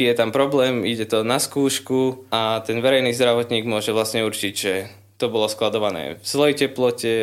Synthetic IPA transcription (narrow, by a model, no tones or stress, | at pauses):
jɛt̪ampɾɔblɛːmiɟɛt̪ɔnaskuːʃkuat̪ɛnʋɛɾɛjniːzd̪ɾaʋɔt̪ɲiːɡmʊɔʒɛʋlasɲɛuɾt͡ʃiɟʒɛ | t̪ɔbɔlɔsklad̪ɔʋanɛ̰ːfz̥lɛjcɛplɔcɛ